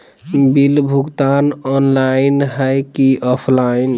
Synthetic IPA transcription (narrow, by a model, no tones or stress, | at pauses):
bilbʱuɡt̪anɔnlainɦəjkiʔɔpʰlain